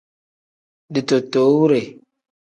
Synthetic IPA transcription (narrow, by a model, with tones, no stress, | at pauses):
di˨to˨to˨˦wu˦ɾe˨